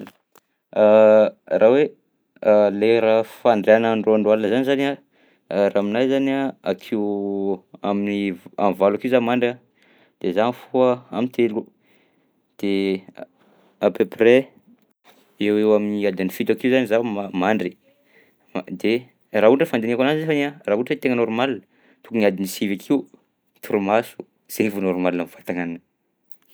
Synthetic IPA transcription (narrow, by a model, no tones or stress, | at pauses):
arʔawe | leɾafaɳɖ͡ʐeanaɳɖ͡ʐoaɳɖ͡ʐwalanəzanizana | raminajzanaakʰew | aminia̰nvalakiuwzamaɳɖ͡ʐa | d̪̥ezanfuəamint̪ʰelu | d̪̥e | apøpre | ewewaminiad̪inifit̪akiuwzanizamamaɳɖ͡ʐi̥ | d̪e | raɦuɳʈ͡ʂɖ͡ʐəfand̪eniakananizefanearaɦuʈ͡ʂet̪eŋənoɾumalinə | t̪ukuniad̪inisivakʰiu | t̪ʰuɾumasu̥ | z̥eivunoɾumalinamvat̪aŋaninə